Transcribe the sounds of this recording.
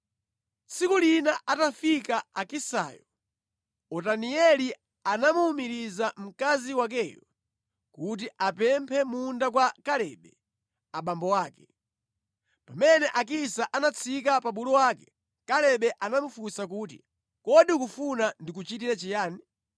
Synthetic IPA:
sikulinaʔatafikaakisa̰ːjɔ | ɔtaniɛli | anamuːmiɾizam̩kaziwak̬ɛːjɔ | kut̬iʔapɛmpʰɛmundakwakalɛɓɛ | aɓambɔwaːkɛ̥ | pamɛnɛʔak̬isaʔanat͡sʰik̬apaɓulɔwaːkɛ | kalɛɓɛʔanamufusak̬uːt̬ḭ | kɔɗikufunandik̬ut͡ʃit̬iɾɛt͡ʃijaːni

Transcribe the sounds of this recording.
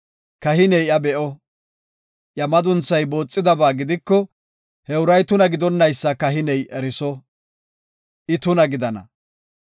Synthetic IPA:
kɐɦɪnɛjɐbɛʔɔ | ʔjɐmɐd̪ʊnt͡sːɐjbo̞ːt͡sʼːɪd̪ɐbaːɡɪd̪ɪkːɔ | hɛʊɾɐjt̪ʊnɐɡɪd̪ɔnːɐjsːɐkɐɦɪnɛjʔɛɾɪsɔ | ʔɪt̪ʊnɐɡɪd̪ɐnɐ̰

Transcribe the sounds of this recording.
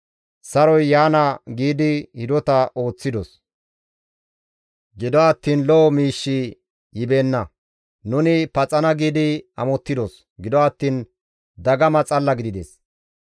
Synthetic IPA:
sɐɾɔjːaːnɐɡiːd̪ɪhɪd̪ɔt̪ɐo̞ːt͡sːɪd̪ɔs | ɡɪd̪ɔɐt̪ːiːnlɔɔmiːʃːi | jɪbe̞ːnːɐ | nʊnɪpɐt͡sʼɐnɐɡiːd̪ɪɐ̰mɔt̪ːɪd̪ɔs | ɡɪd̪ɔɐt̪ːiːn | d̪ɐɡɐmɐt͡sʼɐlːɐɡɪd̪ɪd̪ḛs

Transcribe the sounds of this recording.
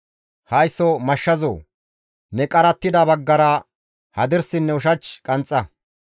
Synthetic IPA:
hɐjsːɔmɐʃːɐzo̰ː | nɛkʼɐɾɐt̪ːɪd̪ɐbɐɡːɐɾɐ | hɐd̪ɪɾsɪnːɛʊʃ̬ɐt͡ʃkʼɐnt͡sʼːɐ

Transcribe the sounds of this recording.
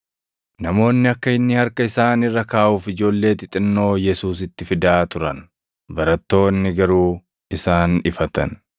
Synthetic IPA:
nɐmo̞ːnːɪɐkːɐɪnːɪhɐɾkɐɪsaːnɪrːɐkaːʔuːfɪd͡ʒo̞ːlːe̞ːt̪ɪt̪ʼɪnːo̞ːjɛsuːsɪt̪ːɪfɪd̪aːt̪ʊɾɐ̰n | bɐɾɐt̪ːo̞ːnːɪɡɐɾuː | ɪsaːnɪfɐt̪ɐ̰n

